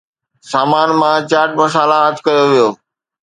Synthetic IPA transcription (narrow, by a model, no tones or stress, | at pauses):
saːmaːnmãt͡ɕaːʈ̚mɐsaːlaɦət̪kɐjoʋijoː